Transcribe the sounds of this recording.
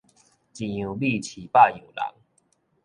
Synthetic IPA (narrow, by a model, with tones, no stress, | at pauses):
t͡ɕi˨˩ũ˨˩li˥˧˨t͡ɕʰi˨˩pa˥˧ju˨˩la̰˨˦ŋ